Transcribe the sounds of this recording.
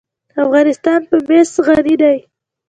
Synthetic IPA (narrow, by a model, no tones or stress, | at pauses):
afɣɑnɪst̪ɑnpəmesɣaɾid̪aj